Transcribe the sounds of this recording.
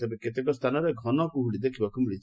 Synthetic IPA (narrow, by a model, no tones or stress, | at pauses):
t̪ebeket̪̬ekɔst̪ʰanɔɾeɡʱɔnɔkuɦuɽid̪ekʰibakumiɭit͡ʃ